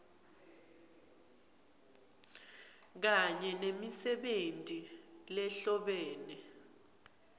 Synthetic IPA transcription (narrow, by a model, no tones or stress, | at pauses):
k̬aɲɛnemisɛɓentʼilɛɬɔɓɛːnɛ